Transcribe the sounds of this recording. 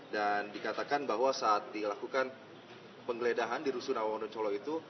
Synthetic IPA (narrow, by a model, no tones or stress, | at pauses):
dandikat̪akanbaɦwasaːt̪̚dilakukan | pəŋɡəledaɦandiɾusunawawandɔɲt͡ʃɔlɔit̪u